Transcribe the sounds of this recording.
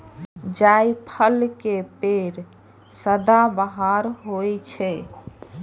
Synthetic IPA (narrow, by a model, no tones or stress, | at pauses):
d͡ʒajpʰəlkepeɾ | səd̪abəɦaɾɦojt͡ʃʰɛ